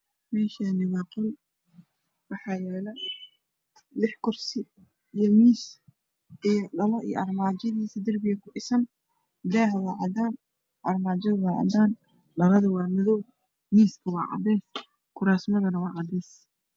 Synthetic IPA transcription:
mɛːʃɐnɪβɑːqʊn | wɑħɑːjɛːlɐ | lɪħkʰʊrsɪ | ijɔmiːs | ijɞɖɐlɐʔḭj̰ʔɑrmaːd͡ʒɐðiːsɐd̪ɐrbɪjɣɐkʰʊʔɪsɐn | ɪlaːɦɛwɑːʕɑd̪aːn | ʔɐrmaːd͡ʒɐðɐwɑːʕɑ̰d̪aːn | lɐlɐðʊwɑːmɐðɔw | miːskʰɐwɑ̰ːʕɑ̰d̪ɛːs | kʰʊɾaːsmɐðɐnɐwɑːʕɑd̪ɛːs

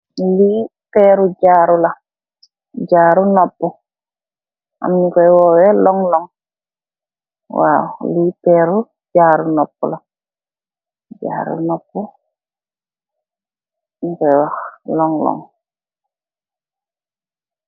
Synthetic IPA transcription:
lipɛɾuɟaːɾula | ɟaːɾunɔpːu | a̰mnikɔjwɔwɛlɔŋlɔŋ | wa̰wlipɛɾu | d͡ʒaːɾunɔp̚ːṵla | d͡ʒa̰ːɾṵnɔpːu | nikɔjwaxlɔŋlɔ̰ŋ

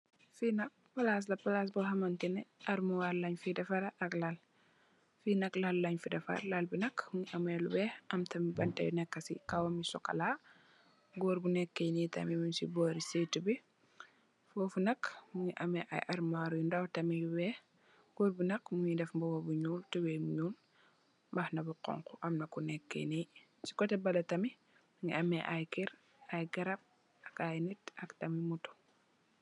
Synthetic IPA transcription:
finɐk̚pɐlas̬lɐpɐlas̬bɐɦɐmɐntinɛʔɐɾmuwaɾlɐɲfidɐfaɾaʔɐklal | finɐklalːɐɲfidɐfɐ̰ɾlalbinɐkmuɲiʔɐmɛlubɛʔɐmtɐmibɐntɐ̰jṵnɛkːɐsḭkawɐmisɔkɐ̰la | ɡɔːɾbunɛkːɐjnitɐ̰miminsḭbɔɾisetubi | fɔːfunɐkmuŋiʔɐmɛʔa̰jʔɐɾmaːɾujundɐwtɐmijuwɛː | ɡ̥ɔɾbunɐkmuɲidɛfmbɔwɐbuɲuːltuwɛmuɲuːl | mbɐxnɐbuqɔ̰ŋkuʔɐmnɐkunɛkːḛni | t͡ʃi̥kɔtɛbɐlɐtɐmi | muŋḭɐmɛʔajkiɾ | ajɡɐɾɐp̚ | ɐkajnitɐktɐmimutu̥

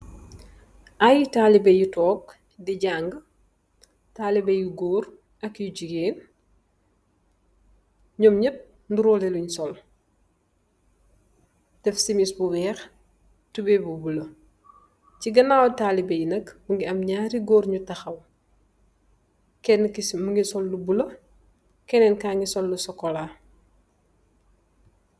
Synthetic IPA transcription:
ʔajitaːlibɐjutɔːk̚ | diɟaŋɡ | taːlibɐjuɡɔːɾ | ɐkjuɟuɡeːn | ɲɔmɲɐp̚ | nduɾɔːlɛluɲsɔl | d̥ɛfsimisbuwɛːx | tubɛbubulɐ | ciɡɐnaːwtaːlibɛjnɐkbuŋɡiɐmɲaːɾiɡɔːɾɲutɐxɐw | kɛnːkimuŋɡisɔlːubulɐ | kɛnɛnkaːŋɡisɔlːusɔkːɔlaː

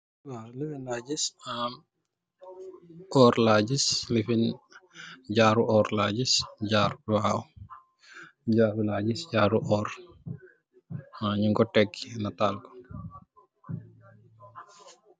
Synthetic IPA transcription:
walifɛnlaːɟisam | ʔɔːɾlaːɟislifin | ɟaːɾuʔɔːɾlaːɟisɟaːɾuwaːw | ɟaːɾulaːɟisɟaːɾuʔɔːɾ | aɲuŋɡɔʈːɛkːinatalkɔ̥

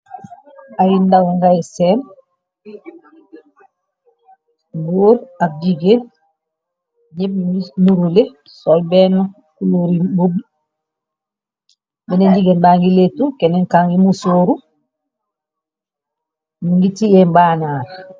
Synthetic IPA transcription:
ajindawɔŋɡajsɛn | buːɾak̚d͡ʒiɡen | ɲɛb̚inuɾule | sɔlbɛnːɔ | kuloɾibob | bɛneɲɟiɡenbaːŋɡiletukɛnɛŋkaŋɡimusoːɾu | miŋɡitijɛmbanaːɾ

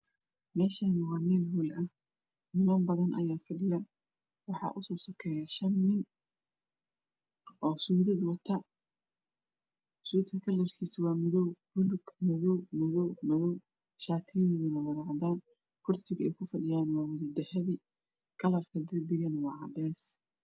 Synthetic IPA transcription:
mɛːʃɐnɪwɑːniːlɦuːlɐh | nɪmɐmbɐðɐnʔɐ̰jaːfɐɖɪjɐ | wɑħɑ̰ʔʊsɔːsɔkʰɛːjɐʃɐnːɪn | ʔɔːsuːðɐd̪wɐt̪ʰɐ | suːd̪kʰɐkʰɐlɛrkʰiːsɪwɑːmʊðɔwbʊlʊɡmɐðɔwmɐðɔwmɐðɔw | ʃaːt̪ʰɪjɛðɪnɐwɐðɑʕd̪aːn | kʰʊrt̪ʰɪɣɛ̰jkʰʊfɐɖɪjaːnwɑːwʊðɐd̪ɐhɛβɪ | kʰɐlɐrkʰɐd̪ɐlbɪɣɐnwɑʕɑd̪ɛːs

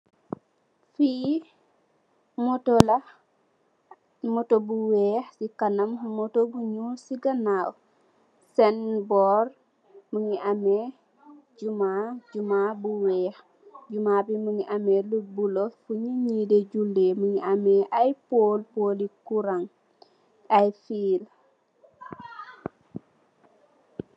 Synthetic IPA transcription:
fi | motolɐ | motobuwɛxsikɐnɐmːotobuɲusiɡɐnaw | sɛnbɔːr | məŋiʔame | ɟumaɟumabuwɛːx | ɟumabiməŋiʔɐmelubulofuɲiɲideɟulːeməŋiʔɐmɛʔajpoːlpoːlikuɾaŋ | ajfiːl

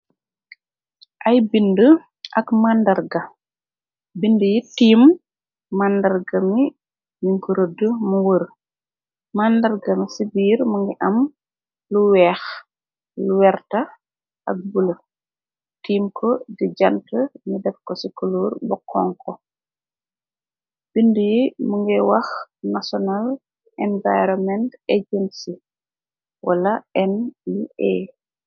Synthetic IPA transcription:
ʔɐjbində | ʔɐkmandɐɾɡɐ | bindəjitiːmː | andɐrɡɐmi | niŋkuɾədəmuwəɾ | mandɐɾɡɐmisibiːɾmuŋɡiʔɐm | luwɛːx | luwɛɾtɐ | ʔɐk̚bulə | tiːmkʰɔdiɟɐntəɲidɛfkɔsikuluːrbɔkʰːɔŋkɔ | b̥indujimuŋɡɛwɐxnasɔnal | ɛɱvajɾɔmɛnteɟɛnsi | walɐɛnliʔɛ̰

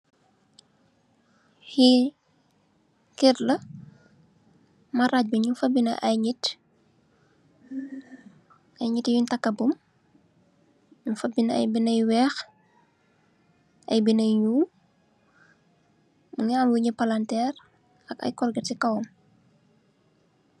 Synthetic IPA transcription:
hi | kirlɐ | mɐɾac̚bɐɲunfɐbːinɐ̰ʔɐjɲit | ɐjɲitijuntɐkːɐbum | ɲunfɐbinɐɐ̰jbinɐjwɛːx | ɐ̰jbinɐjɲuː | uŋamwuɲupɐlantɛːr | ɐkɐ̰jkɔrɡɐtikɐwɔm

